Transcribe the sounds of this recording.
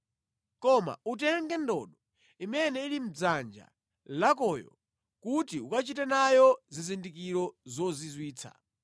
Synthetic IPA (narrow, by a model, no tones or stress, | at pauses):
kɔma̰utɛŋɡɛndɔ̰ɗɔ | imɛnɛilim̩d͡zand͡ʒa̰ | lakɔjɔ̰ | kutiukat͡ʃitɛnajɔzizindikiɾɔzɔzizwiːt͡sʰa̰